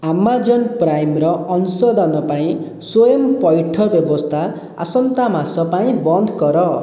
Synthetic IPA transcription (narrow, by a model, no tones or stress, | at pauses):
amːad͡zʌnprajmrʌʌnusʌd̪ʱʌnʌpaĩ | swojʌmpʌjʈʰʌbjʌbʌst̪ʰa | a̰sʌnt̪amasʌpaĩbʌnd̪ʱkʌɾʌ